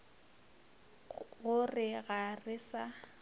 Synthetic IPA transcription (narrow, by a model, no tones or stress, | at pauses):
ɣʊrɪɣarɪsa